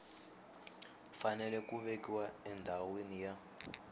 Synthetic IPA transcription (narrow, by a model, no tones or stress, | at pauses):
fanɛlɛkuβekiwaɛndʱawenija